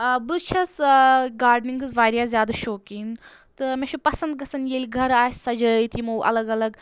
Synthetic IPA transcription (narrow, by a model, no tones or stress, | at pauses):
bɨt͡ʃʰɐsɡaːɾɖniŋɡɨzʋaːɾjaːzjaːd̪aʃoːkiːn | t̪ɨmẽʃupɐsɐnd̪̚ɡɐsɐnjeːlʲiɡʱɐɾaːsʲsɐd͡ʒɐit̪imoʔɐ̰lɐɡɐlɐɡ